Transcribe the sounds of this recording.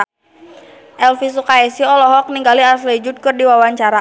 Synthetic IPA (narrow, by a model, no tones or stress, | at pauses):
ʔɛlfisukaɛsiɔlɔɦɔk̚niŋɡaliaslɛd͡ʒut̪̚kɨrdiwawaɲt͡ʃaɾa